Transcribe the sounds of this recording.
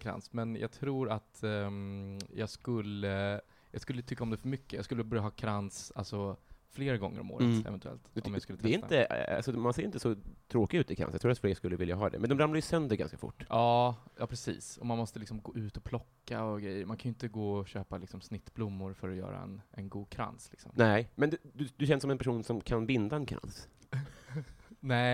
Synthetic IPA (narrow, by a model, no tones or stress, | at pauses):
kʰɾa̰nsmɛnjʔɑ̰ːɡ̚t̪ʰɾuːɾat̪ | jɑːɡskɵlːə | jɑːɡskɵlːət̪ʰʏkːaɔmd̪ɛfœɾmʏkːəjɑ̰ɡskɵlːəbœɾjaɦɑːkʰɾansalsɔfleːɾɡɔ̰ŋːə̰ɾɔ̰mo̰ːɾəɛ̰vɛnt̪ɵɛ̰lt̪ɔmjaskɵlːɾɾɪnəa̰sɔmanseːɾɪnt̪əsɔt̪ʰɾoːkɪʉ̟t̪ɪkʰɾa̰sj̰t̪ʰuːat̪fleːɡskɵlːəvɪljaɦɑ̰ːd̪ɛ̰mɛnd̪ɔmɾamlajɵsœnd̪əɾɡa̰nskafʊ̰ʈːɑːjɑːpʰɾɛsḭːsɔmanmɔst̪əlɪksɔmɡoːʉ̟ːt̪ɔpʰlɔkːaɔɡɾɛjːəɾmankʰanjʏɪnt̪əɡoːɔɕøːpalɪksɔmsnɪt̪ːblʊmːʊɾfœɾɔjœ̰ːɾa̰ɛ̰nʔɛnɡuːd̪̚kʰɾa̰nslɪksɔ̰mnɛmɛnd̪d̪ɵd̪ɵɕɛnːsɔmɛnpʰæʂuːnsɔmkʰanbɪnd̪aɛnkʰɾa̰ns | nɛ